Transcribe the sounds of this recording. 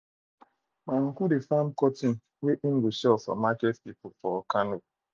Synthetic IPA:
maŋ̩kudefamkɔtin̩ | weʔiŋ̩ɡuʃɛlsɔ̰makɛtpipʊfɔɔkano

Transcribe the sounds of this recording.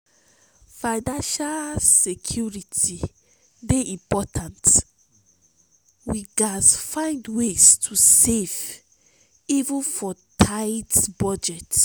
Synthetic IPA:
faɪnãnʃalsekʰjuɹiti | deʔĩmpɔtʰãnt | wiɡasfãɪ̃ndwestʰusev | ivũnfɔtʰaɪtbɔd͡ʒɛt

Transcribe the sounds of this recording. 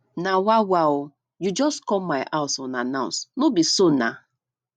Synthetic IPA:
nawawaʊ | jud͡ʒɔskɔmaɪʔaʊsɔ̃nanaʊ̃nsnobisona

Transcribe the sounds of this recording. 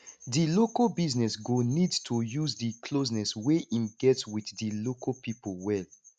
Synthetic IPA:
dilokobiznɛsɡonidtʰujuzdikʰlos̬nɛsweʔĩmɡɛtswiθdilokʰopipolwɛl

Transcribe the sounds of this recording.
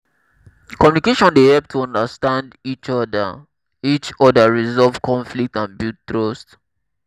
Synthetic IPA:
kɔmjunikeʃɔ̃ndehɛp̚tʰuɔ̃ndəstãndit͡ʃɔda̰ | it͡ʃɔdaɹizɔlvkʰɔ̃ɱflik̚tãnbuttɹost

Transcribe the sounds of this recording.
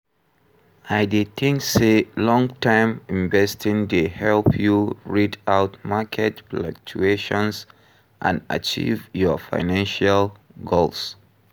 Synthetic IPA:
aɪdetʰĩŋkselɔ̃ŋtʰãɪ̃mĩɱvɛstĩŋdehɛlpʰjuɹitaʊtmakʰɛtflã̰k̚t͡ʃueʃɔ̃ns | ʔã̰na̰t͡ʃḭvjɔfa̰ɪnãnʃal | ɡols

